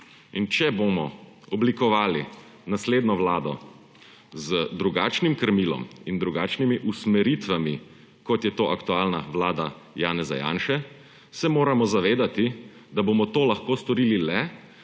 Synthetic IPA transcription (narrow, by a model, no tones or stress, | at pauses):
int͡ʃɛbomɔ | ɔblikɔʋaːli | nasleːd̪nɔʋlaːd̪ɔ̰ | zəd̪ɾuɡaːt͡ʃnimkəɾmiːlɔ̰mind̪ɾuɡaːt͡ʃnimiʔusmɛɾiːt̪ʋami | kɔt̪jɛt̪oːʔakt̪ualnaʋlaːd̪a | jaːnɛza̰ja̰ːnʃɛ | sɛmoːɾamɔzaʋeːd̪at̪i | d̪aboːmɔt̪oːlaxkoːst̪ɔɾiːlilɛ